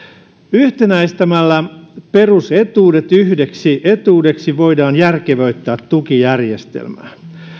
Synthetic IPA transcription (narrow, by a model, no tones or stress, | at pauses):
yht̪enæist̪æmælːæpe̞ruset̪uːdet̪yhdeksiʔet̪uːde̞ksiʋojdɑːnjærkeʋøyt̪ːæːt̪ːukijærjest̪ḛlmæ̰ː